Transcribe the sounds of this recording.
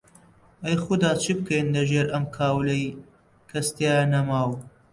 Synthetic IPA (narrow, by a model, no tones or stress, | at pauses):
ʔɐjxʊd̪aːt͡ʃʰib̚kɐjnlɐʒeɾʔɐmkʰaːwlej | kʰɐst̪jaːjɐnɐmaːw